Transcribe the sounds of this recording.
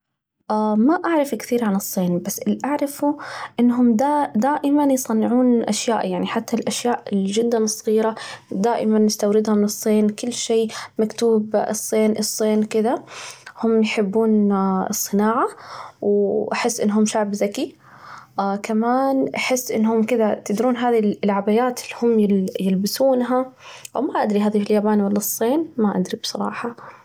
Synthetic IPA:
ʔamaʔaʕɾˤɑfkθiːɾʕanɨsˤːiːnbasːɪlʔaʕɾˤɑfuʔɪnːɦʊmd̪aːd̪aːʔɪmanjsˤɑnːɪʕuːnʔaʃjaːʔjaʕniħat̪ːalʔaʃjaːʔɪld͡ʒɪd̪ːanɨsˤːɑɣiːɾad̪aːʔɪmanːɪst̪awɾɪd̪hʊmɨsˤːiːnkʊlːʃeːmakt̪uːbɨsˤːiːnʔɨsˤːiːnkɪd̪ahʊmːjħɪbːuːnɨsˤːɨnaːʕawʔaħɪsːʔɪ̰nːɦʊmʃaʕbzaki | kamaːnʔaħɪsːʔɪnːhʊmkɪd̪at̪ɪd̪ɾuːnɦaːðilʕabajaːt̪ɪlːhʊmːjɪjɪlbɪsuːnɦaʔwmaʔad̪ɾiɦaːðifiljaːbaːnwalːasˤːeːnmaʔa̰d̪ɾibsˤɑɾˤɑ̰ːħɑ

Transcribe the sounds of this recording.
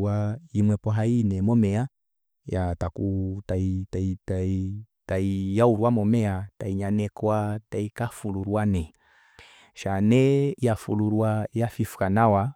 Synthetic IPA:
ajimwɛpɔɦainɛmɔmɛa | jatakutaitaitai | taijauɾwamɔmɛataiɲanɛkwataikafuluɾwanɛ | ʃanɛjafuluɾwajafifu̥kanawa

